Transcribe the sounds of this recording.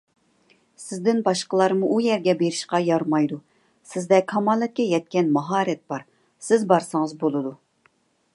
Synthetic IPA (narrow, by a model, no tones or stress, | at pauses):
sɪzd̪ɪnbɑʃqəlˠɑɾmuʔujɛɾɡʲɛbeɾɪʃqɑjɑɾmɑjd̪u | sɪzd̪ɛkʰɑmɑlˠɛt̪̚kʲɛjɛt̪̚kʲɛnmɑɦɑːɾɛt̪̚b̥ɑɾ | sɪzbɑɾsɨŋəzbolˠɨd̪u